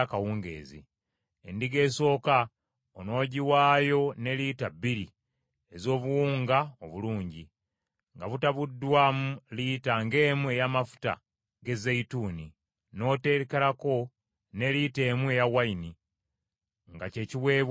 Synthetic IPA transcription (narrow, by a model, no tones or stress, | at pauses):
akawuːŋɡḛːzḭ | endiɡe̞ːso̞ːka | ono̞ːɟiwaːjo̞ne̞liːtabːiɾi | ezo̞ːβuwuːŋɡaoβuluːɲɟi | ŋɡaβutaβudːwaːmulitaŋɡe̞ːmue̞jamafu̥ta̰ | ɡe̞zeituːni | no̞ːte̞ɾekelako̞ | ne̞liːte̞ːmwe̞jawaini | ŋɡace̞ːciwe̞ːβ